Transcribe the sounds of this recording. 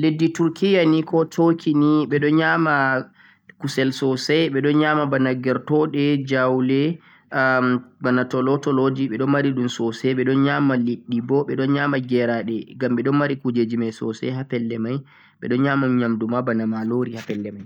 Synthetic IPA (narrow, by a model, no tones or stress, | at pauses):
ledːituɾkijanikɔtʰokʰiniɓɛɗɔɲaːma | kusɛlsɔsɛjɓɛɗɔnɲamabanaɡɛɾtɔɗɛd͡ʒawlɛ | banatɔlɔtɔlod͡ʒiɓɛɗɔnmaɾiɗumsɔsɛɓɛɗɔnɲamaliɗːibɔɓɛɗɔnɲamaɡɛɾaɗɛɡamɓɛɗɔnmaɾikud͡ʒed͡ʒimajsɔ̰sɛ̰ɦapɛlːɛmaj | ɓɛ̰ɗɔnɲaːmaɲamdumabanamaloɾihapɛlːɛmaj